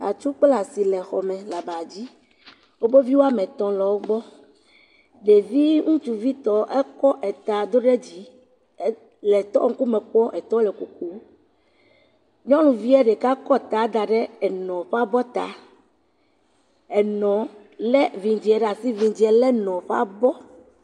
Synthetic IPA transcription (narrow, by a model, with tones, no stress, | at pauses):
a̰˨t͡ʃu˦k͡pla˨si˨lɛ˨xɔ˨mẽ˨la˨ba˨d͡ʑi˦ | wo˦be˦vi˦wo˦a˦mẽ˨t̪ɔ̃˨lɔ˨wo˦ɡ͡bɔ˦ | ɖe˨vi˦ŋũ˦t͡ʃu˨vi˦t̪ɔ˦ʔɛ˦kɔ˦ʔɛ˨t̪a˨d̪o˦ɖe˦d͡ʑi˨˦ | lɛ˨t̪ɔ̰˦ŋ̩˦ku˦mẽ˨k͡pɔ˦ʔɛ˨t̪ɔ˦lɛ˨ku˨ku˨˦ | ɲɔ̃˦lũ˨vi˦ɛ˦ɖɛ˨ka˦kɔ˦t̪a˨˦d̪a˨ɖe˦ɛ˨nɔ̃˨ɸa˦bɔ˦t̪a̰˨ | ɛ˨nɔ̃˨ | lɛ˦vĩ˨d͡ʑi˨˦ɛ˨ɖa˨si˦vi˨d͡ʑi˨˦ɛ˨lɛ˦nɔ̃˨ɸa̰˦bɔ˦